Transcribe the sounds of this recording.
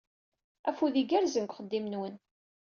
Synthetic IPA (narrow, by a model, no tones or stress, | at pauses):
æfuðiɡæɾzənkʷχəd̪ːimənwən